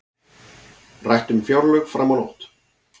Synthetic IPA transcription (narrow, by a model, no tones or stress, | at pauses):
rajht̪ʏmfjawɾlœkfɾamawlo̰wht̪